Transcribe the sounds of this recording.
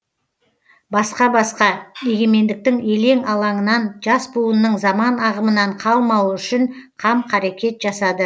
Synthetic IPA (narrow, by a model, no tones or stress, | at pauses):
bɑsqɑbɑsqɑme̞ɡʲe̞me̞nd̪ɪk̚t̪ɪŋe̞le̞ŋɑlˠɑɴənɑnʒɑsbuənːəɴzɑmɑnɑʁəmənɑɴqʰɑlˠmɑwəʏʃɪɴqʰɑmqʰɑɾe̞kʲe̞t̪ʒ̥ɑsɑd̪ə